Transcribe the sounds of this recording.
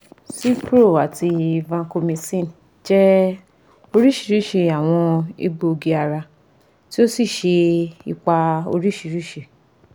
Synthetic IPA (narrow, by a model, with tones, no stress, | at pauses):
si˦pɾo˦˨a˨ti˧i˧vã˧ko˧mĩ˧sĩ˦˨n | d͡ʒɛ˦ | o˧ɾi˦ʃi˨˧˦ɾi˦˨ʃe˧a˨w̃ɔ̃˧ḭ˧ɡ͡bo˧o˧ɡi˧a˧ɾa˧ | ti˦o˦si˦˨ʃe˧i˧k͡pa˧o̰˧ɾi˦ʃi˧˦ɾi˦ʃe˧˨